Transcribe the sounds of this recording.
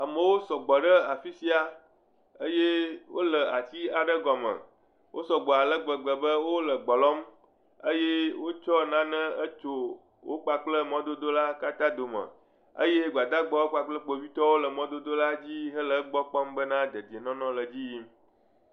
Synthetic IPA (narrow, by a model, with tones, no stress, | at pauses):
a˨mə̃˨wo˦sɔ˨ɡ͡bɔ˨ɖə˦a˨fi˦si˦a˦ | ə˦je˦wo̰˦lə˨a˨t͡ɕi˦a˨ɖə˦ɡɔ˨mə̰̃˨ | wʔo˦sɔ˨ɡ͡bɔ˨a˨lə˦ɡ͡bə˨ɡ͡bə˨bə˦wo˦lə˨ɡ͡bɔ˨lɔ˦m | ə˦je˦wo˦t͡ʃɔ˦nã˦nə̃˦ə˦t͡ʃo˦ | wo̰˦k͡pa˨k͡plə˦mɔ̃˦d̪o˦d̪o˦la˦ka˦t̪ã˦d̪o˨mə̰̃˨ | ə̰˦je˦ɡ͡ba˨d̪a˦ɡ͡bɔ˦wo˦k͡pa˦k͡plə˦k͡po˨vi˦t̪ɔ˦wo˦lə˨mɔ̃˦d̪o˦d̪o˦la˦d͡ʑi˦ɦə˦lə˨˦ɡ͡bɔ˦k͡pɔ˦mbə˦nã˦d̪ə˨d̪i˨e˨nɔ̃˦nɔ̃˦lə˨d͡ʑi˦ji˦m